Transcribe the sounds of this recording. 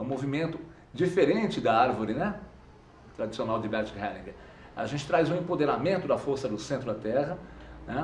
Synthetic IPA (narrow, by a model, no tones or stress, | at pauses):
ũmovimẽnt̪ʊ | d͡ʒifeɾẽt͡ʃɪd̪ɐaɾvoɾɪnɛ | t̪ɾad͡ʒisionawd͡ʒɪbɛt͡ʃkhɛlĩɡ | a̰ʒẽnt͡ʃɪ̥t̪ɾajzũẽpod̪eɾamẽnt̪ʊd̪ɐfoɾsɐd̪ʊsẽnt̪ɾʊd̪ɐt̪ɛɦɐnɛ